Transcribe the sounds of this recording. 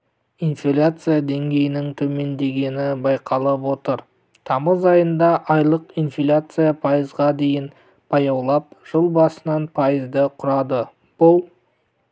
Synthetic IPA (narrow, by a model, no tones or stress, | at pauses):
infʲilʲat̪sɨjad̪e̞ŋɡʲe̞jɪnɪŋt̪ʰɵme̞nd̪e̞ɡʲe̞nɪbɑjqʰɑlˠəpwo̞t̪əɾ | t̪ʰɑməzɑjənd̪ɑʔɑjlˠəqinfʲilʲat̪sɨjapʰɑjəzʁɑd̪e̞jɪn | pʰɑjɑwlˠɑp̚ʒ̥əlˠbɑsənɑnpʰɑjəzd̪əqʰʊɾɑd̪ə | b̥ʊlˠ